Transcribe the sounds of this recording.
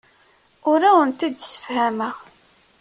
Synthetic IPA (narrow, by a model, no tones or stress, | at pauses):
ʊɾæwənt̪id̪sə̥fhæməʁ